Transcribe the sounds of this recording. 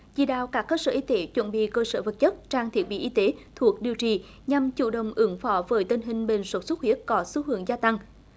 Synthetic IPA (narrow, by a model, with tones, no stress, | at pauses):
zḭ˧˩ɗa̰ː˧˨wkaː˦˥kːəː˧sə̰ː˧˩ʔi˧˦t̪e˨˦t͡ɕwə̰˧˨nɓḭ˧˨kəː˧səː˧˩və˨˩t̚t͡ɕə˦˥t̚t͡ɕaː˧ŋt̪ʰi˨˦˩ət̚ɓḭ˧˨ʔi˧˦t̪e˨˦t̪ʰu˨˩ək̚ɗi˨˩əwt͡ɕi˨˩ | ɲa˨mt͡ɕṵ˧˨˩ɗə̰˧˨wŋ͡mʔɨ˨˦ŋfɔ˨˦vəː˨˦jt̪i˧nɦï˨˩ŋ̟ɓḭ˨˩ŋ̟swə˨˦˥t̚swə˦˥t̚hi˦˥ət̚kɔ˨˦su˨˦hɨ˨˦əŋzaː˧t̪a˧ŋ